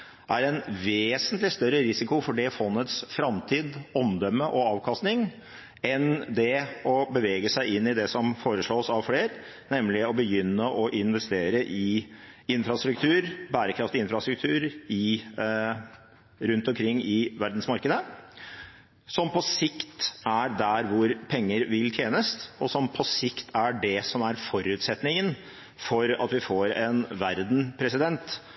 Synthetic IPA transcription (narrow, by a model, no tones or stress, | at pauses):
ʔæɾɛnʋeːsənt̪lɪst̪œɾəɾɪsɪkʊfɔɖɛfɔnːət̪sfɾɑmt̪ʰiːd̪ɔmd̪œmːəʔɔɑːʋkʰɑst̪nɪŋ | ɛnd̪ɛɔbəʋeːɡəsæɪɪnːɪd̪ɛsɔmfoːɾəʂɭoːsɑʋfleːɾ | nɛmlɪɔbəjʏnːəʔɔʔɪnʋɛst̪eːɾəʔɪ | ɪnfɾɑst̪ɾʉk̚t̪ʰʉːɾbæːɾəkʰɾɑft̪ɪɪnfɾɑst̪ɾʉk̚t̪ʰʉːɾɪ | ɾʉnt̪ɔmkʰɾɪŋːɪʋæɾd̪n̩smɑɾkəd̪ə | sɔmpʰɔsɪkt̪æɾd̪æɾʋʊɾpʰɛŋːəɾʋɪlt̪ʰjeːnəst̪ɔsɔmpʰɔsɪkt̪ʰæɖɛsɔmæɾfɔɾʉːt̪sɛt̪nɪŋən | fɔɾɑ̰t̪ʋɪfoɾɛnʋæɾd̪n̩pʰɾɛsɪd̪ɛnt̪